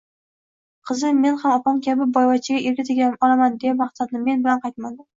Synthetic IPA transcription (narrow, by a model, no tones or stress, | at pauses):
qʰɨzɪme̞nhamɒpɒmkʲabɪbɒjvɒt͡ʃʰɪɡʲaʔeɾɡʲɪt̪ɪɡʲaɒlamand̪ejamaχsad̪nɪme̞nbɪlanqʰɑjt̪̚mad̪ɪm